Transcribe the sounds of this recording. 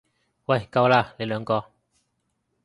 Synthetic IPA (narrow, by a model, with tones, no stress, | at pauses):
wa˥˩˨jka˧wlaː˧˨le˨˦jlœː˨˧˦ŋkɔː˧